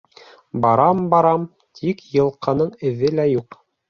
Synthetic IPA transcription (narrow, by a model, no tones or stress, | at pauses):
bɑɾɑmbɑɾɑm | t̪ʰikjɤ̆lˠqʰɤ̆nɤɴɘ̆ðɘlæjuq